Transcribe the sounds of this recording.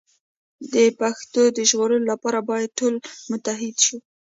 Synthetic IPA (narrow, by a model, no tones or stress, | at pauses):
d̪əpaxt̪od̪əʒɣoɾəlolapɑɾabɑjad̪̚ʈolmʊt̪aɦɪd̪ʃu